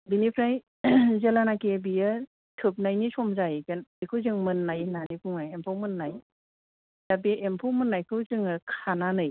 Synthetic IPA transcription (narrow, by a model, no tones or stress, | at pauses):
binipʰɾaj | zelanakebiɯ | tʰɯp̚najnisɔmzajkɯnbikʰɯwzɯŋmɯnːajnanikʰuŋnajempʰɔwmɯnːaj | d̥abeʔempʰowmɯnːajkʰɯwzɯŋɯkʰananɯj